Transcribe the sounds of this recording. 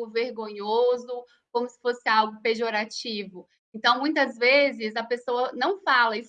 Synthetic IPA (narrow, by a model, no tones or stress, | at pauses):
ʊveɾɡõɲozʊ | kõmʊsɪ̥fosɪawɡʊpeʒoɾat͡ʃivʊ | ẽnt̪ɐ̃w̃mũj̃t̪ɐzvezɪzɐpesoɐnɐ̃w̃falɐis